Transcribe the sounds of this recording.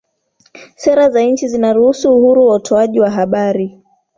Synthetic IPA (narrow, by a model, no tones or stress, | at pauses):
sɛɾazaɲ̩t͡ʃizinaɾuhusuːhuɾuwautʰɔaʄiwaɦaɓaɾi